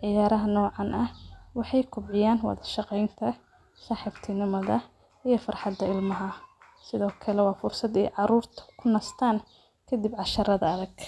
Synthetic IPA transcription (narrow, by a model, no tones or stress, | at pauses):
ʕɪjaːɾɐɦɐnɔːʕɑnʔɐhwɑħɑjkʰʊbʕɪjaːnwɑ̰ðɐʃɑqɛjnt̪ʰɐ | saːħiːbt̪ʰɪnɪmɐðɐ | ijɞfɑrħɑd̪ːɐɪlmɐɦɐ | sɪðɔːkʰɐlɛwɑːfʊrsɐd̪ɛ̰jʕɑɾuːrt̪ʰɐ̥kʰʊnɐst̪ʰaːn | kʰɐd̪ibʕɑʃɐɾɐðɐɐðɐɡ̥